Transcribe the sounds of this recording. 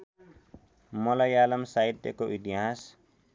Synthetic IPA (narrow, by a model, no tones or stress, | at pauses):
mʌlʌjalʌmsaid̪ḛkoit̪iɦas